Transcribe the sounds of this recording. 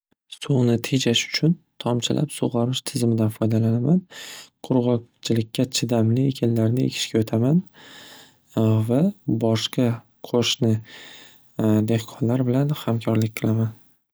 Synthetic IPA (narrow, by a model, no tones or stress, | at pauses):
sonɪt̪ʰe̞d͡ʒaʃʊ̥t͡ʃʰʊnt̪ʰɒmt͡ʃʰɪlʔa̰psoʁɑɾmɪʃt̪ʰɪzɪmɪd̪anfɒjd̪alanamanqʰʊɾʁɒkt͡ʃʰɪlɪkʲʰːat͡ʃʰɪd̪amlɪekʲʰanlaɾnɪḛkʲʰɪ̥ʃkʲaot̪ʰaman | vabɒʃqɑ | qʰoʃnɪ | d̪e̞hqʰɒnlaɾbɪlanhamkʲʰɒɾlɪk̚ʲqʰɨlˠaman